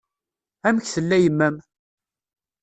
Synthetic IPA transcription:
æməçθəlːæjəmːæm

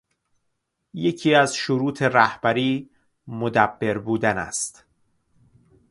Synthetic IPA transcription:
je̞cʰiːæzʃoɾuːt̪ʰe̞ræhb̥æɾiː | mod̪æbːe̞ɾbuːd̪ænæ̰st̪

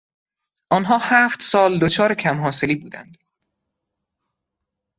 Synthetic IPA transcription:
ʔɒnɦɒːhæːft̪sɒːld̪ot͡ʃʰɒːɾecʰæmɦɒːse̞liːbuːd̪æ̰nd̪̥

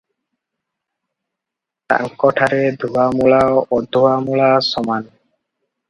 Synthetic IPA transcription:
t̪a̰ŋkɔʈʰaɾed̪ʱuwamuɭaɔd̪ʱːuwamuɭasɔman

